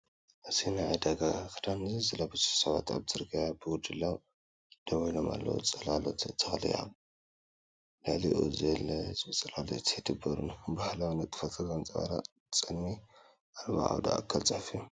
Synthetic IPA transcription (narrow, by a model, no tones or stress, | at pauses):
ʔɨtʰinaʕajd̪aɡakʰɨd̪anɨzizɨlabɨzu̥ħsɐβa̰t̪a̰βzɨɾɡajabɨwʊd̪ɨlːaw | d̪̥ɐwɔjloma̰lːɐ̰wṵt͡sʼɐlalot̪ʰt̪ʰːɐxlḭja̰ | lɨʕlḭʔṵzɐlɐzɨt͡sʼɐlalot̪id̪ʰɨbɐɾṵnbahlawnɐt̪ʼɨ̥fɐt̪ʰɨɡant͡sʼɐβa̰ɾa̰ | t͡sʼɨnmi | ʔalβa̰ʔa̰wd̪a̰ʔːkʰːalt͡sʼɐħfiju